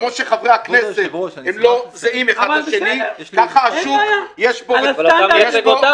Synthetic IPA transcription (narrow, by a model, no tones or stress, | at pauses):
moʃeχavʁaakneset̪emlozeimeχad̪aʃʃenikaχaaʃuvjeʃbojɛʃo